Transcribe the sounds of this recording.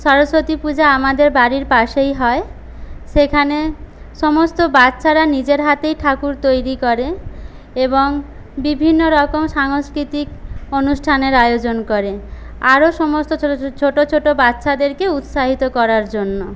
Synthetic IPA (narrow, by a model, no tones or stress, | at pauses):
ʃɔɾosot̪ipud͡ʑaamad̪eɾbaɾiɾpaʃejɦɔe | ʃekʰane | ʃɔmost̪obat̪ːɕʰaɾanid͡ʑeɾɦat̪ejʈʰakuɾt̪ojɾikɔɾe | eboŋ | bibʱinːoɾɔkomʃaŋskɾit̪ikonuʃʈʰaneɾajod͡ʑonkoɾe | aɾoʃɔmost̪ot͡ɕʰoʈot͡ɕʰoʈobat̪ːɕʃʰad̪eɾkeut̪ʃaɦit̪okɔɾaɾd͡ʑonːo